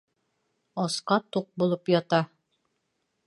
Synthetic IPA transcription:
ɒsqɑt̪uq̚bulˠɤpjɑt̪ɑ

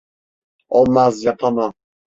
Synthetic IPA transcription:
ɔmazjat̪ʰana

